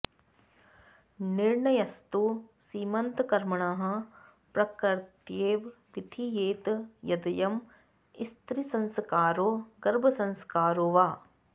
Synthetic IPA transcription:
niɾɳɐjɐst̪usiːmɐnt̪kɐɾmɐɳaːɦɐ̆ | pɾɐkɐɾt̪jeːʋ | ʋit̪ʰijeːt̪jɐd̪ɐjɐm | ist̪ɾisɐ̃nskaːɾoːɡɐɾbʱɐsɐ̃nskaːɾoːʋaː

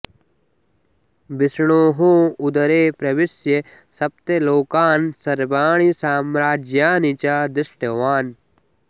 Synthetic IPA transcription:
bɪsɳ̃oːɦõʊd̪ɐɾeːpɾɐʋɪsje | sɐp̚t̪eloːkaːnsɐɾbaːɳ̃isaːmɾaːd͡ʒjaːnit͡ʃaːd̪ɪsʈɐʋaːn

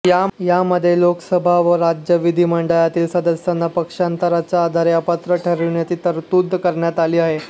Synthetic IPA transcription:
jajaməd̪ʱːjelokəsəbʱaʋəɾad͡ʑjəʋid̪ʱiːməɳɖəjat̪iːlsəd̪əsjanːapəkʂant̪əɾat͡ɕaːd̪ʱaɾjapat̪ɾəʈʰəɾiɳjatiːt̪əɾt̪ud̪ʱːkəɾɳjat̪aliːaɦe

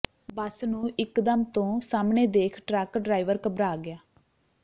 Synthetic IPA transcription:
bəsnũːʔɪkd̪əmt̪õːsaːmɳeːd̪eːkʰʈɾɛːkɖɾaːiʋəɾkəbɾaːɡɪaː

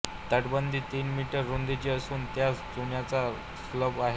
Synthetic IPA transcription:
t̪əʈbənd̪ʱiːt̪iːnmiʈəɾːund̪it͡ɕeəsuːnt̪jat͡sd͡zuɳjat͡sa | sləbaɦe

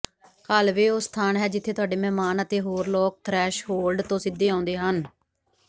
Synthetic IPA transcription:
kəlʋeːoːst̪ʰaːnɦɛːd͡ʒɪt̪ʰːeːt̪ʊaːɖeːmɛ̃ːmaːnət̪eːɦoːɾlɔːk̚t̪ʰɾɛːʃɦoːlɖt̪õːsɪd̪ːeːãːnd̪eːɦən

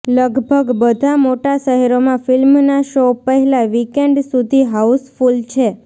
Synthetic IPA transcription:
ləɡbʱəɡbəd̪ʱamoʈaʃəɦɛɾomãfɪlmnaʃopəɦɛlaʋikeɳɖsud̪ʱiɦausfult͡ʃʰe

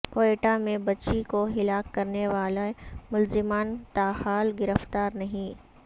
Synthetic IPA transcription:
koːeːʈamẽbɐtːt͡ʃikoɦɪlaːkːɐɾneʋaːlamʊlzɪmaːnt̪aːɦaːlɡɪɾəft̪aːɾnɐɦĩː

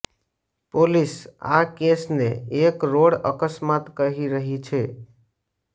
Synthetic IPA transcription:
polɪsa̰kesnḛekɾoɽəkəsmat̪kəɦiɾəɦit͡ʃʰe

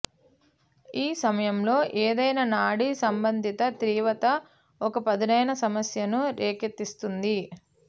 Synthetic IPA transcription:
iːsɐmɐjɐmlo̞ːʔeːd̪ɐjnɐːnaːɽisɐmbɐnd̪ʱit̪ɐt̪ɾiːʋɐt̪ɐ | ɔkɐpɐd̪inɐjnɐsɐmɐsjɐnuɾeːkɐt̪ːist̪und̪i

